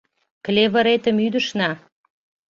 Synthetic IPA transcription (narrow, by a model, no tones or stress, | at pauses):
klʲeβə̆ɾet̪ə̆myd̪əʃnɑ